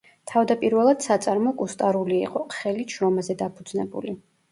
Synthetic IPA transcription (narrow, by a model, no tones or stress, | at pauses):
t̪ʰavd̪apʼiɾvɛlˠad̪̥sat̪sʼaɾmɔkʼust̪ʼaɾulḭːqʼɔχɛliʃɾɔmazɛd̪apʰud̪znɛbṵli